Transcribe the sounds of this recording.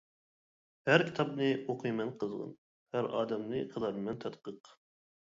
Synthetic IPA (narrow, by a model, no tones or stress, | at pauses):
hæɾkʲʰi̥t̪ʰɑp̚nɨoqʰɨjmɛnqʰəzʁə̰n | hæɾɑ̰ːd̪ɛmnɨqʰəlɑɾɨmɛnt̪ʰɛt̪qəq